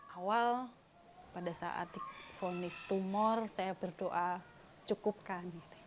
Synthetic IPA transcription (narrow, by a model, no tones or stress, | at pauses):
awal | padasa̰ʔa̰t̪fonɪst̪umɔrsajab̥ərdoʔa | t͡ʃukʊp̚kaniɾɛ